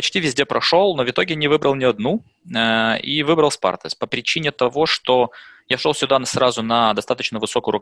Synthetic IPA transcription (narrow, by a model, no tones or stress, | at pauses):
pɐt͡ɕtʲivʲɪzʲdʲepɾɐʂo̞lˠno̞vʲɪt̪o̞ɡʲɪjnʲɪvɨbɾəlˠnʲɪɐd̪nu | əivɨbɾəlˠspa̰rt̪əs̚ʲpəpɾʲɪt͡ɕinʲɪt̪ɐvo̞ʂt̪o̞jaʂolˠsʲʊd̪ansɾazʊnɐd̪ɐst̪at̪ət͡ɕnəvɨso̞kʊjʊɾʊ